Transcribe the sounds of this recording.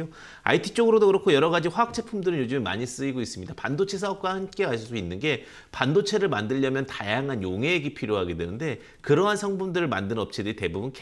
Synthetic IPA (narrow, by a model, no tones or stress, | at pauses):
o | a̰itʰi̥t͡ɕ͈oɡɯɾodokɯɾʌkʰojʌɾʌɣad͡ʑiɸwak̚t͡ɕʰepʰumdɯɾɯnjod͡ʑɯmema̰ɲis͈ɯiɡois͈ɯmɲidapandot͡ɕʰe̞s̬ʰaʌp̚k͈wahamk͈e̞kaɭsʰʌsʰoinːɯnɡe̞ | pandot͡ɕʰe̞ɾɯɭmandɯʎːʌmjʌntajaŋɦanjoŋɦe̞ːɡipʰiɾjoɦaɡe̞dwenɯnde̞ | kɯɾʌɦansʰʌŋbumdɯɾɯɭma̰ndɯnʌp̚t͡ɕʰedɯite̞bubunkʰ